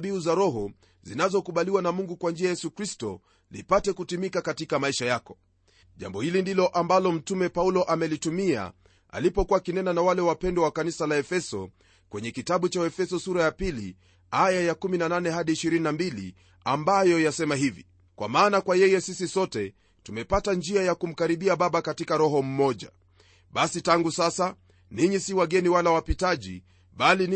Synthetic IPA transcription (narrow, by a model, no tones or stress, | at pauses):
ɓiuzaɾɔɦɔ | zinazɔkuɓaliwanamuŋɡukwand͡ʒiajɛsukɾistɔ̰ | lḭpatɛkutimikakatikamaiʃajakɔ̥ | ʄa̰mbɔhilindilɔʔambalɔm̩tumɛpaulɔʔamɛlitumia̰ | a̰lipɔkuwakinɛnanawalɛwapɛndwɔwakanisalaɛfɛsɔ̰ | kwɛɲɛkitaɓut͡ʃaɛfɛsɔsuɾajapilḭ | ajajakuminananɛɦaɗiːʃiɾininambilḭ | ambajɔjasɛmaɦivḭ | kwa̰maːnakwajɛjɛsisisɔtɛ | tumɛpatand͡ʒiajakum̩kaɾiɓiaɓaɓakatikaɾɔɦɔm̩mɔʄa̰ | ɓasitaŋɡusasa | niɲisiwaɠɛniwalawapitaʄḭ | ɓali